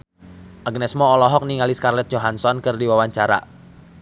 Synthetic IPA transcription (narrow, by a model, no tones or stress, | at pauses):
ʔaɡnɛsmɔːlɔɦɔk̚niŋaliskarlɛt̪̚d͡ʒoɦansɔnkɨrdiwawaɲt͡ʃaɾa̰